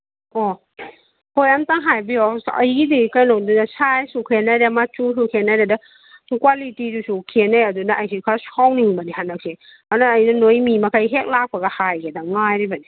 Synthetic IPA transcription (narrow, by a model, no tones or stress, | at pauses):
ɔ | hojamtaŋɦajbiɔa̰jidikajnodunasajsukʰenaɾamat͡ʃusukʰenajɾada | kwalitidusukʰenajadunaʔajsikʰasawniŋbanihɦanːak̚se | anaːjnanojmimakʰajɦek̚lak̚paɡahajɡedaŋajɾibani